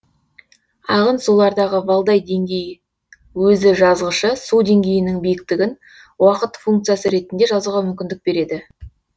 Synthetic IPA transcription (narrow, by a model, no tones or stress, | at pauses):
ɑʁənsulˠɑɾd̪ɑʁəbɑlˠd̪ɑjd̪e̞ŋɡʲe̞j | wɵzɪʒɑzʁəʃəsud̪e̞ŋɡʲe̞jɪnɪŋbijɪk̚t̪ɪɡʲɪn | wɑqət̪fuŋkt̪sɨjasəɾe̞t̪ɪnd̪e̞ʒɑzuwʁɑmʏmkʲɪnd̪ɪk̚be̞ɾe̞d̪ɪ